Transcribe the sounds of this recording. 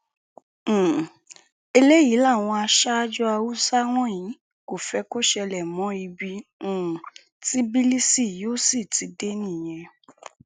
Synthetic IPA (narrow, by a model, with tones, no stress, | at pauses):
e˧le˦ji˨˦la˦˨w̃ɔ̃˧a˧ʃa˦d͡ʒɔ˦a˧wu˦sa˦ɾ̃ɔ̃˦˨j̃ĩ˨˦ | ko˨fɛ˧˦ko˦ʃɛ˧lɛ˨mɔ̃˨˦i˧bĩ˧˨ | ti˨˦bi˦li˦si˦˨joː˦si˦˨ti˧de˦nĩ˦˨j̃ɛ̃˧